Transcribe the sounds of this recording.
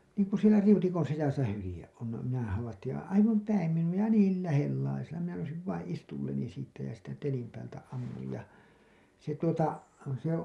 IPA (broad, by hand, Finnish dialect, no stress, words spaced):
niːŋku sielæ riutikon̞ sisæsæ hylĭjeʔ ʔon no minæ hɑʋɑtːij jɑ ɑiʋɑm pæim minuɑ jɑ niːl læhelːɑiselːɑ minæ nousiʋ ʋɑĩː istulːeni siːtːæ jɑ siːtːæ telim pæːltæ ɑmːuj jɑ se tuotɑ se